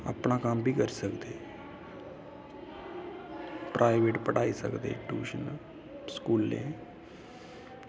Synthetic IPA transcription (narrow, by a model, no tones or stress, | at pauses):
ə̰pɳaːkambʱiːkəɾsəkd̪eː | pɾʔaːɪʋeːʈpəʈaːisə̰kd̪ḛːʈuːʃən | skuːlːḛ̃ː